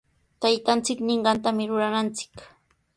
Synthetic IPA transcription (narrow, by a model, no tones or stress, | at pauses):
t̪ajt̪ant͡sɪknɪɴɢɑnt̪amɪɾʊɾanant͡sɪ̥k